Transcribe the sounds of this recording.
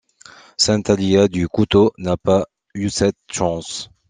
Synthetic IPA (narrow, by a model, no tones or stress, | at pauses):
sɛ̃t̪aliad̪ykut̪onapa | ysɛt̪ʃɑ̃s